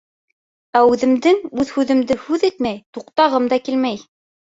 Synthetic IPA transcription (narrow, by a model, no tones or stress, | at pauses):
æʉðɘ̆md̪ɘŋʉðhʉðɘ̆md̪ɘhʉðit̪mæjt̪uqt̪ɑʁɤmd̪ɑkilmæj